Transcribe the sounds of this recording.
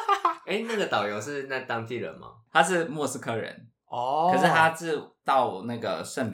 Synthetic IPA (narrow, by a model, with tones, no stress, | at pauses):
e˥˦ɪna˥˩ɡə˩t̪ɑ˨˩ʊjo˧˥ʊʂɻ̩˥˧na˥˩t̪ɑ˥ŋt̪i˥˩ɻə̰˧˦nma̰˨˧t̪ʰa˥ʂ̬ɻ̩˥˩mwɔ˥˩s̩˥kʰɤ˥ɻə̰˧˦n | ɔ˧˩ə˨˦ʂɻ̩˥˩t̪ʰa˦˥ʈ͡ʂɻ̩˥˩t̪ɑ˥˩ʊna˥˩ɡə̰˩ʂə˥˩np